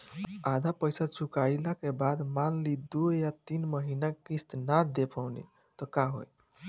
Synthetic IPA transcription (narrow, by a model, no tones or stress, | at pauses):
ad̪ʱapəjsat͡ʃʰukajlakebad̪manlid̪ujat̪inməɦinakist̪nad̪epʰəwnḭ | t̪ɔkaɦo̰j